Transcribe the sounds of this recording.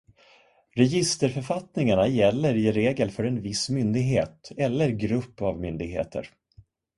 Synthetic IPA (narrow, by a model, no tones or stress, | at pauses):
ɾɛjɪst̪əɾfœɾfat̪nɪŋaɳajɛlːəɾɪɾeːɡəlfœɾɛnvɪsmʏnd̪ɪɡɦeːt̪ɛlːəɾɡɾɵpːavmʏnd̪ɪɡɦḛːt̪ʰə̰ɾ